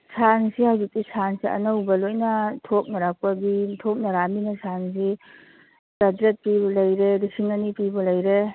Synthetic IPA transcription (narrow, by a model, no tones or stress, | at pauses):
sʰansihawzik̚tisʰansiɐ̰nɐwbɐlojnɐtʰop̚nɐɾak̚pɐbitʰop̚nɐɾaminasʰans̬i | kadɾet̚pibɔlɐjɾedisʰiŋanipibɔlɐjɾe